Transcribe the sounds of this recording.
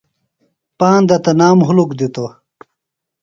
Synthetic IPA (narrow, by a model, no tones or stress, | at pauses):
paːnd̪ɐt̪ɐnaːmɦulukd̪it̪o